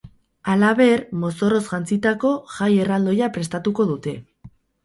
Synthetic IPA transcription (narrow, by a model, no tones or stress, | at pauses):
alaβe̞ɾmo̞so̞ro̞zʝant͡sit̪ako̞ʝaje̞rald̪o̞japɾe̞st̪at̪uko̞ðut̪e̞